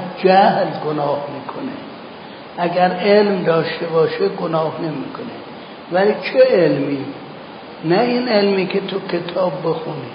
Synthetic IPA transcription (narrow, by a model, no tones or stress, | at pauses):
d͡ʒæhlɡonɒːhmiːkʰonḛ | ʔæɡæɾelmd̪ɒːʃt̪ebɒːʃeɡonɒːhnemiːkʰone | væliːt͡ʃʰeelmiː | næiːnelmiːkʰet̪ʰokʲʰet̪ʰɒːbːexuni